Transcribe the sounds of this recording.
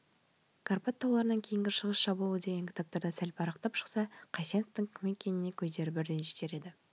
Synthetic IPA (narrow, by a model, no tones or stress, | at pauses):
kʰarpat̪ʰːɑwlˠɑɾənɑŋkʲʰe̞jɪŋɡʲɪɾʃəʁəsʃɑbəəlˠəd̪e̞ɡʲe̞ŋkʲʰɪ̥t̪ʰap̚t̪ɑɾd̪ɑsælpʰɑɾɑqt̪ɑpʃə̥qsɑqʰɑjsenəft̪əŋkʲʰʏme̞kʲʰːe̞nɪne̞kʲʰɵzd̪e̞ɾɪbɪɾd̪e̞nʒe̥t̪e̞ɾe̞d̪ɪ